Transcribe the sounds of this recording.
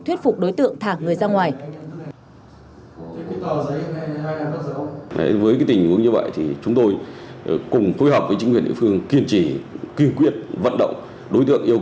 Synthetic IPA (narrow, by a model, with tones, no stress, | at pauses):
t̪ʰwi˦˥t̚fʊ˨˩k͡p̚ɗo˨˦jt̪ɨ̰˧˨əŋt̪ʰaː˧˩ŋŋɨ˨˩əjzaː˧ŋwaː˨˩j | kt̪ɔ˨˩ə˨˦˧a˧jna˨ə̰˦˥˨vəː˨˦jka˨˦jt̪ï˨˩ŋ̟ʔṵ˨˦əŋɲɨ˧və̰˧˨jt̪ʰi˨˩t͡ɕʊ˨˦ŋ͡mt̪o˧j | kʊ˨˩ŋ͡mfo˧˦jɦɔː˨˩p̚vəː˨˦jt͡ɕï˨˦kwi˨˩əɗḭ˧˨fɨ˧əŋki˧ənt͡ɕi˧˩kwi˧ənkwi˦˥ət̚və̰˧˨nɗə̰˧˨wŋ͡m | ɗo˨˦jt̪̬ɨ̰˧˨əŋʔi˧əw